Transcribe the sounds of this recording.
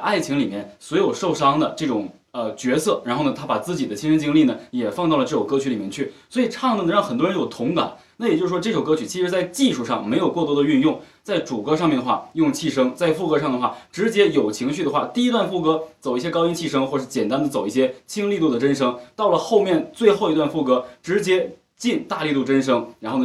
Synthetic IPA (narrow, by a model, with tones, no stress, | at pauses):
ʔa˥˩ɪt͡ɕʰi˧˥ŋli˨˩mjɛ˥˩nswɔ˧˥ɪjo˨˩ʊʂo˥˩ʊʂɑ˥ŋd̪ə˨ʈ͡ʂɤ˥˩ʈ͡ʂʊ˨˩˦ŋ | ə˧t͡ɕɥɛ˧˥sɤ˥˩ɻa˧˥nxo˥˩nə˩t̪ʰa˥pa˨˩t͡sɹ̩˥˩t͡ɕi˨˩d̪ə˦t͡ɕʰi˥nʂə˥nt͡ɕi˥ŋli˥˩nə˩jɛ˨˩fɑ˥˧ŋt̪ɑ˥˩ʊlə˩ʈ͡ʂɤ˥˩ʈ͡ʂo˨˩ŋkɤ˥t͡ɕʰy˧˥li˨˩mjɛ˥˩t͡ɕʰy˥˩swɔ˧˥i˨˩ʈ͡ʂʰɑ˥˧ŋt̪ə˥˩nə˧ɻɑ˥˩ŋxə˨˩nt̪wɔ˥ɻə˧˥njo˨˩ʊt̪ʰʊ˧˥ŋka̰˨˩˦na˥˩jɛ˨˩t͡ɕjʂɻ̩˥˩wɔ˥ɤ˥˩ʂo˨˩ʊkɤ˥t͡ɕʰy˨˩t͡ɕʰi˧˥ʂɻ̩˧˥t͡sa˥˧ɪt͡ɕi˥˧ʂu˥˧ʂɑ˥˩ŋme˧˥ɪjo˨˩ʊkwɔ˥˩t̪wɔ˥d̪ə˧y˥˧njʊ˥˧ŋ | t͡sa˥˩ɪʈ͡ʂu˨˩kɤ˥ʂɑ˥˧ŋʲmɛ˥˩nd̪ə˩xwa˥˩jʊ˥˧ŋt͡ɕʰi˥˩ʂɤ˥ŋt͡sa˥˧ɪfu˥˩kɤ˧˥ʂ̬ɑ˥˩ŋd̪ə˩xwa̰˥˩ʈ͡ʂɻ̩˧˥t͡ɕjɛ˥jo˨˩ʊt͡ɕʰi˧˥ŋɕy˥˩d̪ə˩xwa˥˩t̪i˥˩i˥t̪wa˥˧nfu˥˩kɤ˥t͡so˨˩ʊi˥˩ɕjɛ˥kɑ˥ʊi˥˧nt͡ɕʰi˥˩ʂɤ˥ŋxwɔ˥˩ə˩ʂɻ̩˥˩t͡ɕjɛ˨˩nt̪a˥nd̪ə˨t͡so˨˩ʊi˥˩ɕ̬jɛ˥t͡ɕʰi˥ŋli˥˧t̪u˥˩d̪ə˩ʈ͡ʂə˥nʂɤ˥ŋt̪ɑ˥˩ʊlə˩xo˥˧ʊmjɛ˥˧nt͡swe˥˧ɪxo˥˩ʊi˧˥t̪wa˥˧nfu˥˩kɤ˧˥ʈ͡ʂɻ̩˧˥t͡ɕjɛ˥ | t͡ɕi˥˧nt̪a˥˧li˥˧t̪u˥˩ʈ͡ʂə˥nʂ̬ɤ˥ŋɻa˧˥nxo˥˩n